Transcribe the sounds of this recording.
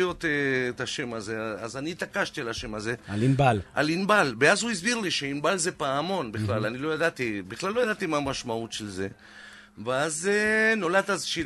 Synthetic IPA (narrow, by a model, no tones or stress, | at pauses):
jo̞t̪eːt̪aʃe̞maze̞azanit̪akaʃt̪ialaʃe̞maze̞alinbalʔa̰linbalbeazhuizbiʁliʃeinbalze̞paamo̞nbiχlalanilo̞jad̪at̪ibiχlalo̞jad̪at̪imamaʃmautʃe̞lze̞ | veazeno̞lat̪azʃi